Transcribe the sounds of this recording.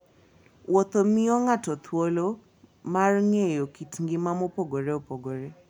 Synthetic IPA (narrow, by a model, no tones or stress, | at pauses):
wɔt̪omiɔŋatɔt̪ʰwolo | marŋejokitŋɡɪmamopoɡoɾeopoɡoɾe